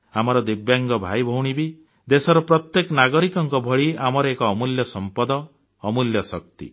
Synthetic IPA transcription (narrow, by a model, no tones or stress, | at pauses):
amɔɾɔd̪ibjaŋɡɔbʱajbʱɔwɽ̃ibi | d̪esɔɾɔpɾɔt̪jekɔnaɡɔɾikɔŋkɔbʱɔɭiamɔɾɔekɔːmuljɔsɔmpɔd̪ɔː | muljɔsɔkt̪ḭ